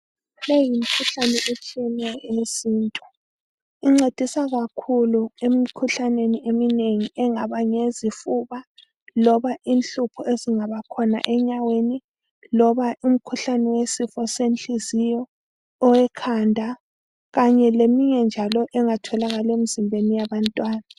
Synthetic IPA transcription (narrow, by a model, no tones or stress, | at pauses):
lejim̩kʰuɬanɛut͡ʃʰʼiɛnɛjɔesiːntʼu̥ | iŋ͡ǀed̥ʱisaɣakʰuluemikʰuɬaneniemineŋiʔɛŋaβaɲezifuβa | lɔβaʔinɬupʰɔeziŋaβakʰɔna̰ʔɛɲaweni | lɔβaʔum̩kʰuɬanɛwesifɔsent͡ɬizijɔ | ɔwɛkʰandʱa | ɣaɲɛlemiɲɛnd͡ʒʱalɔʔɛŋatʰɔlaɣalemizimbʱenijaβantʼwaːna